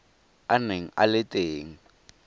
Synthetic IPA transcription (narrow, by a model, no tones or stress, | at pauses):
aneŋ̩ʔa̰lɪtʼeːŋ̩